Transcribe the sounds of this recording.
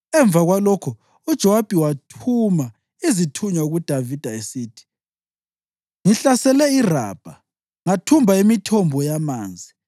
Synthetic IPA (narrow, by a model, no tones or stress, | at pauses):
ɛɱb̪vʱaɣwalɔkʰɔ | ud̥ʒ̥ʱɔwab̥ʱiwatʰuma | izitʰuɲauɣud̥ʱavid̥ʱaesiːtʰi̥ | ŋiɬasɛlɛira̰ːb̥ʱa | ŋatʰumbʱaimitʰɔmbʱɔjamaːnd͡zʱi